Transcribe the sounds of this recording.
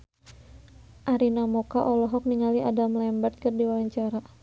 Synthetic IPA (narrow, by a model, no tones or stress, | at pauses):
ʔaɾinamɔkaʔɔlɔɦɔk̚niŋaliʔadamlɛmbart̪̚kɨrdiwawaɲt͡ʃaɾa